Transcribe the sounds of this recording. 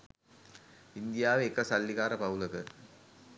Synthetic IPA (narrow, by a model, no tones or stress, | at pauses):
ind̪ijaːʋeːkːɐsɐlːikaːɾɐpɐwlɐkə